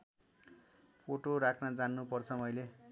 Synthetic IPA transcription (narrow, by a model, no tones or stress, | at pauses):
poʈoɾakʰnad͡zanːupʌrt͡sʰʌmʌjle